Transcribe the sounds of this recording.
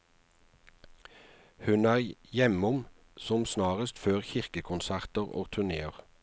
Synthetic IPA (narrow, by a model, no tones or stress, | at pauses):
hʉnæːʁjɛmʊm | sɔmsnɑːʁəst̪føːʁçɪʁkəkʰʊnsæʁt̪əʁo̰ːɡt̪ʰʉneːəʁ